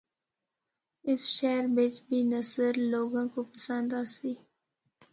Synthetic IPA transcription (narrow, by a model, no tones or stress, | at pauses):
ɪsʃɛːɾbɪt͡ʃbʱiːnəsəɾloːɡãkopəsə̃nd̪aːsiː